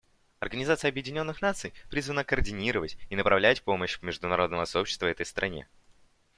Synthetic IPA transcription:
ɐ̰rɡənʲɪzat̪sɨjəɐbjɪdʲɪnʲo̞nːɨxnat̪sɨjpɾʲizvənəkəːrdʲɪnʲiɾəvətʲinəpɾʔɐvlʲætʲpo̞məɕvmʲɪʐd̪ʊnɐɾo̞d̪nəvəsɐo̞pɕːɪ̥st̪vəvɛt̪əjst̪ɾʔɐ̰nʲḛ

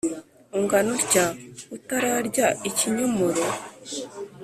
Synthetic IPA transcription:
uŋɡanoɾɟautaɾaɾɟaiciɲomoɾo

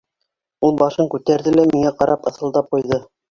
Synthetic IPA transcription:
ulˠbɑʃɤŋkʉt̪æɾðɘlæmiŋæqɑɾɑpɤ̆θɤ̆lˠd̪ɑp̚qujðɤ

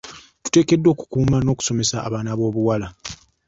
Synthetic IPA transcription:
tu̥te̞ːke̞dːo̞ːku̥kuːmano̞ːku̥so̞me̞sa̰ːβaːnaβo̞ːβuwala

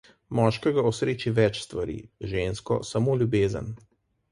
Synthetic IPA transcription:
mɔːʃkɛɡaɔsɾeːt͡ʃiʋɛt͡ʃst̪ʋaɾḭʒeːnskɔ̰samoːlʲjubeːzə̰n

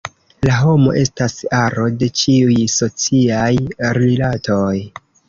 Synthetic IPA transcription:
laɦo̞mo̞̰ʔe̞stasaɾo̞de̞t͡ʃiujso̞t͡siajɾilatʰo̞j

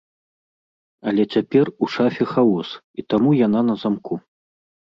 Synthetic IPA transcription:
ɐlʲɛt͡sʲapʲɛruʂafʲɛxawɔs | it̪amujananɐzamkʰu

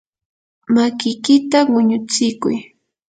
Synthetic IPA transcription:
makɪjkɪt̪awʊɲʊt͡sɪkʊ̰j

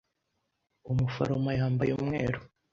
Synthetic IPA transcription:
umufa̰ɾomajaːmbajumŋḛːɾo

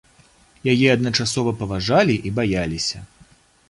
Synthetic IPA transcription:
jajɛɐd̪nɐt͡ʂasɔvɐpɐvaʐalʲiʔibajalʲisʲɐ

